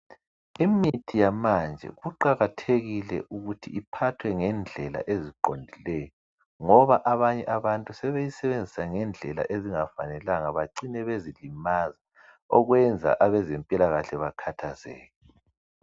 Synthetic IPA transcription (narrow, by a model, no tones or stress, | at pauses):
imitʰijamand͡ʒʱɛ̰ɣuǃaɣatʰeɣilɛ̰ʔuɣutʰiʔipʰatʰwɛŋɛnd͡ɮʱɛla̰ʔeziǃondʱilɛjɔ | ŋɔβaʔaβaɲɛʔaβantʼusɛβejisɛβend͡zʱisaŋɛnd͡ɮʱɛla̰ʔeziŋafa̰nɛlaŋaβaǀinɛβezilimaza | ɔɣwɛnd͡zʱa̰ʔaβɛzempʼilaɣaɬɛβakʰatʰazɛ̰ːɣɛ